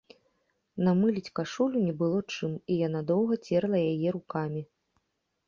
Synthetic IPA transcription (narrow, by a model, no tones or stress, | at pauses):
namɨlʲit͡sʲkaʂulʲunʲɛbɨlˠɔt͡ʂɨmijanad̪ɔwɣɐt͡sʲɛɾlˠɐjajɛɾukamʲi